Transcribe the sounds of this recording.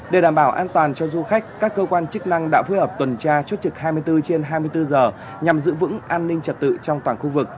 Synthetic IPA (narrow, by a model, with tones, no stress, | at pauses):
ɗe˨˩ɗaː˨˧˩mɓaː˧˩wʔaː˧nt̪waː˨˩nt͡ɕɔ˧zu˧xa˦˥jk̟̚kaː˦˥kːəː˧kwaː˧nt͡ɕɨ˦˥k̚na˧ŋɗa̰ː˧˥fuː˧jhəː˨˩p̚t̪wə˨˩nt͡ɕaː˧t͡ɕwt̚t͡ɕɨ˨˩k̚ɦaː˧jmɨ˧əjt̪ɨ˧t͡ɕe˧nɦaː˧jmɨ˧jt̪ɨ˧zəː˨˩ | ɲa˨˩mzɨ̰˧˥vɨ̰˧˥ŋʔaː˧nːï˧ŋ̟t͡ɕə˨˩t̚t̪ɨ̰˧˨t͡ɕɔ˧wŋ͡mt̪waː˧˩nxu˧vɨ˨˩k̚